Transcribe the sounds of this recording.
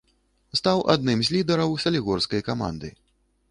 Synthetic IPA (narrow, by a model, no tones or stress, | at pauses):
st̪awʔa̰d̪nɨmzʲlʲid̪ɛɾɐwsɐlʲiɣɔrskɐjkama̰nd̪ɨ̰